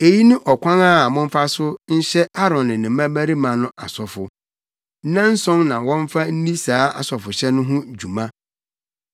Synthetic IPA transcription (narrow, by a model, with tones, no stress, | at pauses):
e˨ji˦nʊ̃˦ʔɔ˨kʰʷã˦ŋa˦˨mʊ̃˦m̩˦fa˦sʊ˦n̩˦ɕɛ˦a˦ɾɔ̃˨nnɪ̃˨nɪ̃˨mã˦bæ˦ɾi˦mã˨nʊ̃˦ʔa˨sɔ˨fʊ˨˦ | nã˦n̩˦sɔ̃˦nnã˨wɔ̃˦ɱ˦fa˦n̩˦nĩ˦saː˨˦a̰˨sɔ˨fʊ˨ɕɛ˦nʊ̃˦ɦʊ̃˦d͡ʑu˨mã˦